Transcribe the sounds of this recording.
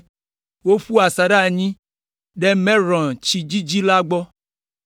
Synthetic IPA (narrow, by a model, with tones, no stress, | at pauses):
wo˦ɸu˦a˨sa˨ɖa˦˨ɲĩ˦ | ɖɛ˦mɛ̃˦ɾɔ̃˨t͡ʃi˨d͡ʒi˦d͡ʒi˦la˦ɡ͡bɔ˦